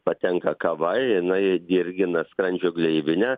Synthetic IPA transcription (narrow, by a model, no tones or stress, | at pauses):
pɐt̪ʲɛŋkɐkɐʋɐɪjɪnɐɪd̪ʲɪɾʲɡʲɪnɐskɾɐnʲd͡ʒʲoːɡlʲɛɪʋʲɪnʲæ